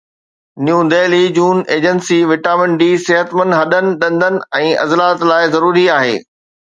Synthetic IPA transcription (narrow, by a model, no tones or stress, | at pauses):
njũːd̪eːlid͡ʑuːneːd͡ʑənsiʋɪʈaːmɪ̃ɳɖiːsɪɦət̪mə̃ndɦɐɗənɪ̆ɗɐ̃nd̪ʱənɪ̆ɛ̃ːɐ̰zlaːt̪laːɪzɐɾuːɾiaːɦḛː